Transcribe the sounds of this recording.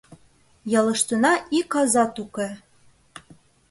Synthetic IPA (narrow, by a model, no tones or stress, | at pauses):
jɑlɤ̆ʃt̪ɤ̆nɑʔikɑzɑt̪ukĕ